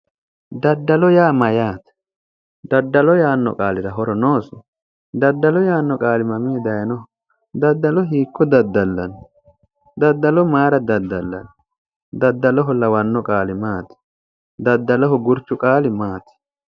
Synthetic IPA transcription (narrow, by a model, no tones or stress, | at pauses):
d̪ɐd̪ːɐlɔjaːmɐjaːt̪ɛ̥ | d̪ɐd̪ːɐlɔjaːnːɔ̰kʼaːlɪɾɐɦɔɾɔnoːsɛ | d̪ɐd̪ːɐlɔjaːnːɔkʼaːlɪmɐmɪɛd̪ɐjɐnɔ | d̪ɐd̪ːɐlɔɦiːkːɔd̪ɐd̪ːɐlːɐn | d̪ɐd̪ːɐlɔmaːɾɐd̪ɐd̪ːɐlːɐ̰n | d̪ɐd̪ːɐlɔɦɔlːɐwɐnːɔkʼaːlɪmaːt̪ɛ̥ | d̪ɐd̪ːɐlɔɦʊɡʊɾt͡ʃːʊkʼaːlɪmaːt̪ɪ̥